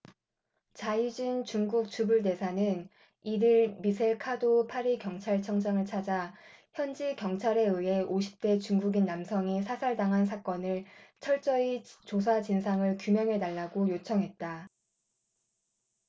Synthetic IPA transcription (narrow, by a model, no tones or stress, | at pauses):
t͡ɕaid͡ʑint͡ɕuŋɡuk̚t͡ɕubuɭde̞sʰanɯn | idɯɭmisʰeɭkʰadopʰaɾikjʌŋt͡ɕʰaɭt͡ɕʰʌŋd͡ʑaŋɯɭt͡ɕʰad͡ʑaçjʌnd͡ʑikjʌŋt͡ɕʰaɾe̞ɯɦe̞ʔoɕʰi̥p̚t͈e̞t͡ɕuŋɡuɡinːamsʰʌŋisʰasʰaɭdaŋɦansʰak͈ʌnɯɭt͡ɕʰʌɭt͡ɕ͈ʌit͡ɕos̬ʰad͡ʑinsʰaŋɯɭkjumjʌŋɦe̞naɭːaɡojot͡ɕʰʌŋɦe̞t̚t͈a